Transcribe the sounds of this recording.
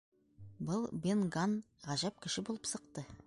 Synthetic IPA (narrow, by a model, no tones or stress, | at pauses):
bɤlˠbenɡɑn | ʁɑʑæp̚kʲɪ̆ʃɪbolˠəpsɤ̆qt̪ɤ